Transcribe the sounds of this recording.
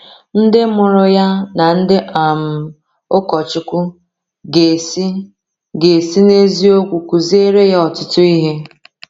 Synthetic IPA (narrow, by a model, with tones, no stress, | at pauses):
n̩˦dɪ˦mʊ˨ɾʊ˦ja˦na˨n̩˦dɪ˦ʔa˨m̩˦˨ | ʊ˦kɔ˨t͡ʃɪ˦kʷʊ˦ | ɡe˨s | ɡe˨si˦ne˦zi˦o˦kʷu˨kʷu˨ze˦ɾe˦ja˦ɔ˨tʊ˦tʊ˦i˦ɦe˦